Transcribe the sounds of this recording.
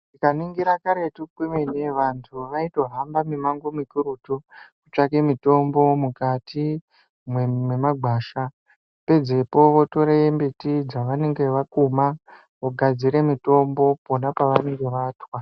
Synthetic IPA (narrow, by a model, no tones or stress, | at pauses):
tikaniŋɡiɾakaɾe̞tukwimeneʋantʰuʋaitoɦambamimaŋɡomikuɾutukut͡ʃake̞mito̞mbo̞mukati | mwemwe̞maɡʱwaːʃa | pe̞d͡ze̞po̞ʋo̞to̞ɾeembetid͡zaʋane̞ŋɡe̞ʋakuma | ʋoɡʱad͡ziɾe̞mito̞mbo̞po̞napaʋane̞ŋɡe̞ʋaːtwa